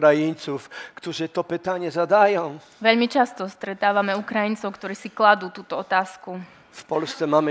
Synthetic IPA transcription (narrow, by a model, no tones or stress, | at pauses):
ɾajiɲt̪sufkt̪uʐɨt̪ɔpɘt̪aɲɛzad̪ajɔ̃w̃ | ʋɛʎmit͡ʃast̪ɔst̪ɾɛt̪aːʋamɛukɾajint͡sɔʊkt̪ɔɾiːsiklad̪uːt̪uːt̪ɔɔt̪aːsku | fpɔlst̪sɛmamɘ